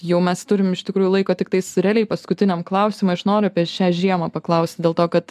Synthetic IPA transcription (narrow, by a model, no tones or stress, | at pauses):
jɛʊmʲɛst̪ʊɾʲɪmɪʃt̪ʲɪkɾuːjʊlˠɐɪkoːt̪ʲɪkt̪ɐɪsɾʲæːlʲɛɪpɐskʊt̪ʲɪnʲɛmklˠɐʊsʲɪmʊɐʃnoːɾʲʊɐpʲiɛʃʲæːʒʲiɛmɐːpɐklˠɐʊsʲt̪ʲd̪ʲeːlˠt̪oːkɐt̪